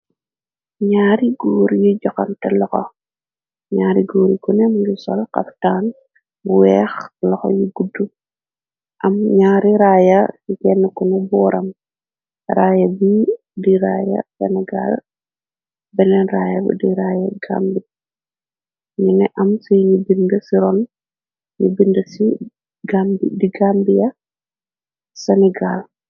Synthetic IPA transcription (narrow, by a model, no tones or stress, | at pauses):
ɲaːɾiɡoːɾijid͡ʒɔkɐntɛlɔxɔ̰ | ɲaːɾiɡoːɾikunɛmuɡisɔlkɐ̰ftaːn | buwɛːxlɔxɔ̰jiɡudːu | ʔɐmɲaːɾiɾaːjɐsikɛnːkunɛbɔːɾɐm | raːjɐbi | diɾaːjɐ̰sɛnɛɡa̰l | bɛnɛnɾaːjɐb̰diɾaːjɐɡa̰ːmbi | minɛʔɐmsɔjɲubindəsiɾɔn | ɲubindəsi | ɡambidiɡambijɐ | sɛnɛɡal